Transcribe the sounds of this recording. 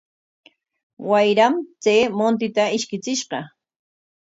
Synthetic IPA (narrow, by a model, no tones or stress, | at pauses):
wajɾamt͡seːmont̪̬ɪt̪aɪʃkɪt͡sɪʃqɑ